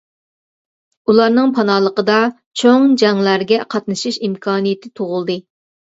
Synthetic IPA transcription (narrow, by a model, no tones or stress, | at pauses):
ulˠɑɾnɨŋpʰɑnɑːlˠəqəd̪ɑ | t͡ʃʰoŋd͡ʒɑŋlˠæɾɡʲɛqʰɑt̪nɨʃiʃimkʰɑːnijɪt̪ʰɪt̪ʰoʁʊlˠd̪ɨ